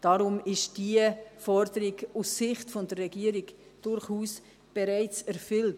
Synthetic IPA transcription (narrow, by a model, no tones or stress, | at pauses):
d̥ɑɾʊmɪʃd̥iəfɔɾdəɾiɡusɪχtfɔndərːɛɡiəɾiɡd̥ʊɾχuːs | b̥eɾæɪt͡sɛɾfʏlt